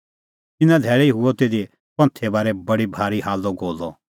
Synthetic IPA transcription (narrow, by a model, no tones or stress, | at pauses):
t̪ɪnãd̪ʱɛːɭɛiɦuɔt̪eːd̪i | pɐ̃nt̪ʰɛbaːɾɛbɐɽibʱaːɾiɦaːlːɔɡoːlːɔ